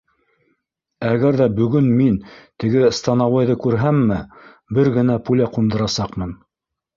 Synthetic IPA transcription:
æɣɡæɾðæbɵ̆ɡɵnmint̪ɘ̆ɡɘst̪ɑnɑwɑjðɤkʉɾɦæmːɘ | bɘɾɡɘ̆næpulæqund̪ɤ̆ɾɑsɑqmɤn

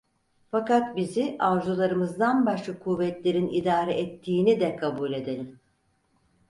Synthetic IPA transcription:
fakat̪biziʔaʒulˠaɾɯmɯzd̪anbaʃlakʰuvɛt̪lʲe̞ɾinid̪aːɾɛʔɛt̪ʰːiːnid̪ɛkʰabuːlʲe̞d̪e̞lʲim

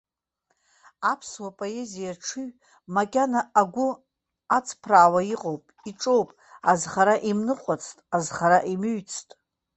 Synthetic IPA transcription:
apʰswapʼoe̞zijaʈ͡ʂʰɨɥ | makʲʼanaaɡʷʊ | at͡sʰpʰraːwaiqʼo̞wpʼiʈ͡ʂʼo̞wpʼ | azχaɾaʔimnɨqʷʼat͡sʰtʼazχaɾaʔimɨɥt͡sʰtʼ

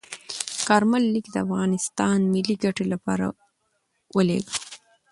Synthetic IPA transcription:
kɑɾmalːikd̪əafɣɑnɪst̪ɑnmɪliɡaʈelapɑ̰ɾa̰ | wəlḛɡə

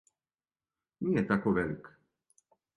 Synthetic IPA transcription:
ɲijɛt̪akɔvɛlk

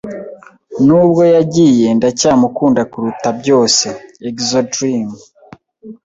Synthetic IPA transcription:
nubɡo̞jaɟiːje̞ndacaːmukuːndakuɾutabɟo̞ːse̞ekzodɾim

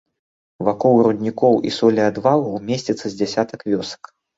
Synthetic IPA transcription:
vakɔwɾud̪ʲnʲikɔwʔḭsɔlʲiad̪valˠɐwmʲesʲt͡sʲit̪sːɐzʲd͡zʲasʲat̪ɐkvʲɔsɐ̥k

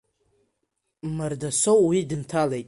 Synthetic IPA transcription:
mardasowwidɨntʰalejtʼ

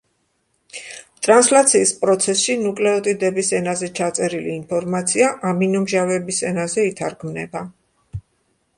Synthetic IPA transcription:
t̪ʼɾanslat̪sʰiːspʼɾɔt̪sʰɛsʃinukʼlɛɔt̪ʼid̪ɛbisɛnazɛt͡ʃʰat̪sʼɛɾiliːnpʰɔɾmat̪sʰiaʔaminɔmʒavɛbisɛnazɛit̪ʰaɾɡʰmnɛba

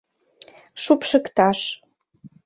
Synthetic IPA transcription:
ʃupʃəkt̪ɑʃ

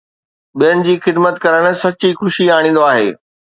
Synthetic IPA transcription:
ɓijənɪ̆d͡ʑiːxɪd̪mət̪kɐɾəɽ̃̆sɐt͡ɕixʊʃiaːɽ̃ĩːn̆d̪oaːɦḛː

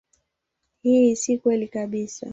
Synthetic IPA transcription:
hisikwɛlikaɓisa̰

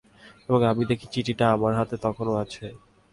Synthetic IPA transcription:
eboŋamid̪ekʰit͡ɕiʈiʈaamaɾɦat̪et̪ɔkʰonoat͡ɕʰe

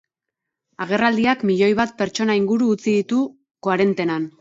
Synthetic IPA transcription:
aɣ̞e̞rald̪iakmiʎo̞jβat̪̚pe̞ɾt͡ʃo̞naiŋɡuɾuːt͡siðit̪u | koaɾe̞nt̪e̞nan

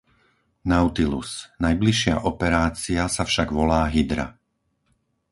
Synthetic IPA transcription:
naʊt̪ilṵsnajbliʃɪa̰ʔɔpɛɾaːt͡siasafʃaɡʋɔlaːɦid̪ɾa̰

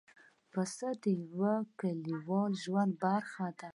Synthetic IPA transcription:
pəsəd̪əjwakaliwɑlʒwand̪̚baɾxad̪a

